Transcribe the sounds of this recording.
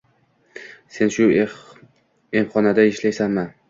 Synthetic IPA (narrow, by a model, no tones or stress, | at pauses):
se̞nʃʊ | emχɒnad̪aɪʃlajsanman